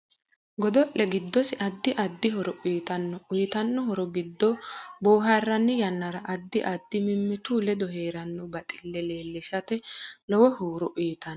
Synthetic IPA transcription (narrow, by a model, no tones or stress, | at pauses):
ɡɔd̪ɔʔɛɡɪd̪ːɔsɪʔɐd̪ːɪʔɐd̪ːɪɦɔɾɔʔiːt̪ɐnːɔʊjt̪ɐnːɔɦɔɾɔɡɪd̪ːɔboːɦɐrːɐnːɪjɐnːɐɾɐʔɐd̪ːɪʔɐd̪ːɪmɪmːɪt̪uːlɛd̪ɔɦeːɾɐnːɔbɐt̪ʼɪlːɛleːlːɪʃɐt̪ɛlɔwɔhuːɾɔʔʊːt̪ɐn